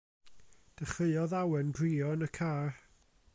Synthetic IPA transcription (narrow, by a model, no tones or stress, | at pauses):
d̥əχɨɨɔðawɛnbriːɔnəkʰaːr